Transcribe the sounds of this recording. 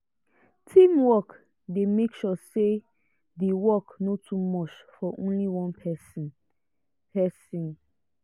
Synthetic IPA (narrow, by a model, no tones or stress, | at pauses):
tʰĩmwɔk | demekʃɔse | dewɔknotʰumɔt͡ʃfɔʔõ̰nliwɔ̃npʰɛsn | pɛsĩn